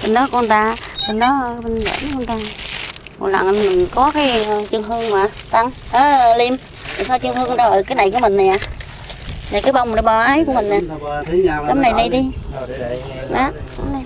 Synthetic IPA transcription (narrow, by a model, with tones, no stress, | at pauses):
ɓə˨˧˩nɗɔ˨˦ku˧t̪aː˧ɓə˨˧˩nɗɔ˨˦˧ɓə˧nvə̰˧˩kːŋt̪aː˧˨kɔ̰˨˩la̰ː˧˨ŋ˧˩nmï˨˩ŋ̟kɔ˨˦kaː˨˦jt͡ɕɨ˧əŋɦɨ˧əŋmaː˨˩t̪a˧ŋʔəː˨˦˨li˧m | t̪a˨˩sa˧wt͡ɕɨ˧ŋhɨ˧ŋ˧ɗa˧ləː˨˩jkaː˨˦jna˨˩jku˨˧˩ə˦mï˨˩ŋ̟na˨˩ʔa˨ | na˨˩jkaː˨˦jɓa˧wŋ͡mə˨˩jɓa˧ʔaː˨˦jku˧˩əmï˨˩ŋ̟a˨˩ | kə˨˦mna˨˩jɗi˧jɗi˧ | na˨˦kə˨˦mɗi˧